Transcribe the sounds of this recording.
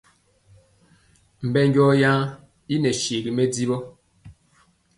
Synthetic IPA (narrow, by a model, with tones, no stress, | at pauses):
m̩˨bɛ˦ŋɡɔː˦jã˦ | i˦nɛ˨ʃe˨ɡi˨me˦d͡zi˦bɔ˦